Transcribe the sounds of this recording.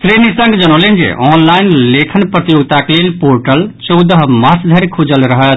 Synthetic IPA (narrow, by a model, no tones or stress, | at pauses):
sɾenisə̃ŋɡd͡ʒənolend͡ʒḛʔɔnlaɪnlekʰənpɾət̪ijoɡt̪aklelpoɾʈəlt͡ʃɔwd̪əɦmasd̪ʱəɾkʰud͡ʒəlɾəɦət̪